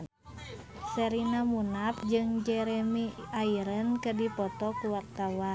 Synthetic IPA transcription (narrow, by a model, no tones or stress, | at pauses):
səɾinamunap̚d͡ʒɨŋd͡ʒɛɾɛmiaiɾənkədipɔt̪ɔkuwak̚t̪awa